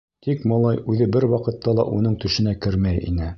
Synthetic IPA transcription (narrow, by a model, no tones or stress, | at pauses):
t̪ikmɑlˠɑjʉðɘbɘɾwɑqɤ̆t̪ːɑlˠɑ̰ʔunɤɴt̪ɵ̆ʃɘ̆nækɘɾmæjḭnɘ